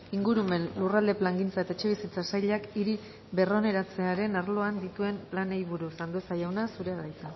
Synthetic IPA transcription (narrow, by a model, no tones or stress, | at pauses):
iŋɡuɾume̞nlurald̪eplaŋɡint͡sae̞t̪aet͡ʃe̞β̞isit͡sasajʎakiɾi | βe̞ro̞ne̞ɾat͡se̞aɾe̞naɾlo̞and̪it̪ue̞mplanejβuɾusand̪usajawnasuɾe̞aðajt͡sa